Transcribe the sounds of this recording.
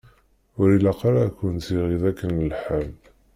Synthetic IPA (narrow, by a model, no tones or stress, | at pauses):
ʊɾilaqaɾakʷːənt̪iʁiðækːənəlħam